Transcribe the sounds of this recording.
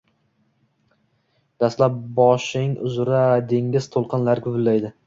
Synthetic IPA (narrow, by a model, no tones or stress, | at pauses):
d̪ast̪lap̚bɒʃɪŋʊ̰zʊɾad̪e̞ŋɡʲɪz̥t̪ʰolˠqʰɨnlaɾkʲʰʊvɪlːajd̪ɪ